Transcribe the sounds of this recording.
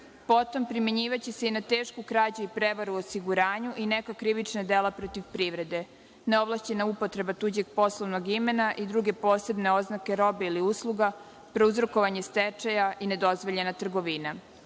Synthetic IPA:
po̞t̪o̞mpɾimeɲiːʋat͡ɕese̞inat̪eːʃkukɾaːd͡ʑuipɾeʋaɾuosiɡuɾaːɲuʔine̞kakɾiʋit͡ʃnad̪elapɾot̪iʋpɾiʋɾe̞d̪e̞ | ne̞o̞blˠaʃt͡ɕenaupo̞t̪ɾe̞bat̪uːd͡ʑeɡ̚po̞slˠoʋnoɡime̞naʔid̪ɾuɡe̞po̞ːse̞bne̞o̞znake̞ɾo̞beiliuslˠuɡa | pɾouzɾo̞ko̞ʋaɲe̞st̪et͡ʃajaʔine̞d̪o̞zʋo̞ʎe̞nat̪r̩ɡo̞ʋina

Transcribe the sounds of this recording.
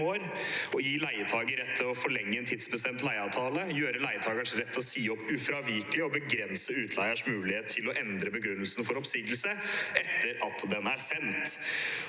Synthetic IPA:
oːɾɔjiːlæɪət̪ʰɑːɡəɾɛt̪ʰːɪɔfɔɭɛŋːəɛnt̪ʰɪd̪spɾəsɪd̪ɛnt̪læɪɑːʋt̪ʰɑːləjøːɾəlæɪət̪ʰɑːɡəɳʂɾɛt̪ːɔsiːɔpːʉfɾɑʋɪɾkəlɪɔbəɡɾɛnsəʉːt̪ʰlæɪəʂmʉːlɪheːt̪ʰːɪlɔʔɛnd̪ɾəbəɡɾʉnːəlsənfɔɾɔpsiːɡ̪əl̩səɛt̪ːəɾɑt̪d̪ɛnæɾsɛnt̪

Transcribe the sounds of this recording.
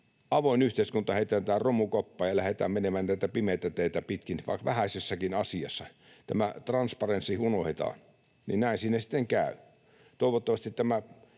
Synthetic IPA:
ɑʋoinyht̪eˑiskunt̪ɑheˑit̪ˑæːnt̪æːrromukopːɑːjɑlæhet̪æ̰ːmmenemænnæit̪æpimet̪ːæt̪eit̪æpit̪kinʋɑ̰ikʋæhæsʲesːɑkinɑsiɑsːɑ | t̪æmæt̪rɑnspɑrensihunohet̪ɑ̰ːn | nḭnnæˑinsiːnæsi̥t̪ːeŋkæˑy | t̪oˑiʋot̪ːɑʋɑst̪it̪t̪æmæ

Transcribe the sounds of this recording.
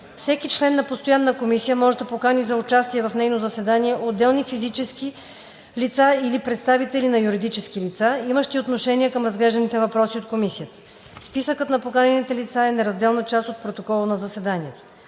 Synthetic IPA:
fsɛkit͡ʃlɛnːɐpost̪ojanːɐkomisijəmɔʒɛd̪ɐpokanizɐʊt͡ʃast̪iɛvɐfnɛjnozɐsɛd̪aniɛʔod̪ːɛlˠnifizit͡ʃɛski | lit̪sailipɾɛt̪st̪avit̪ɛlinɐjuɾid̪it͡ʃɛskilit̪saiməʃt̪iot̪noʃɛnʲiəkɤmɾɐzɡlɛʒd̪ɐnit̪ɛvɐpɾɔsiot̪̚komisijət̪ə̥ | spisəkət̪nɐpokanɛnit̪ɛlit̪saɛnɛɾɐzd̪ɛlˠnət͡ʃast̪ot̪̚pɾot̪okɔlˠənɐzɐsɛd̪aniɛt̪o̥

